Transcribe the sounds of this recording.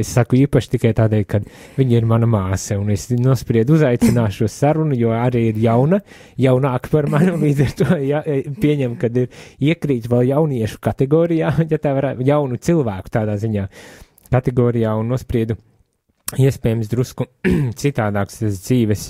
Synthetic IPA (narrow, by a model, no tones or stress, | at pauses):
essakuiːpaʃt̪ikajt̪aːd̪ɛːjlkad̪ | vʲiɲiɾmanɐmaːsɐunesnuɔspɾiɛd̪uzajt̪sinaːʃusaɾunujuɔaɾiːiɾjawnɐ | jawnaːkpaɾmanunlˠiːd̪zɛɾt̪ujapʲiɛɲɛmkad̪iɾiɛkɾiːt̪ʋɛlˠjawniɛʃu̥kat̪ɛɡɔːɾijaːjat̪aːʋaɾajawnut̪silˠʋæːku̥t̪aːd̪aːziɲaː | kat̪ɛɡɔːɾijaːunːuɔspɾiɛd̪u | iɛspʲɛːjɛmsd̪ɾuskut̪sit̪aːd̪aːkst̪asd̪ziːʋɛs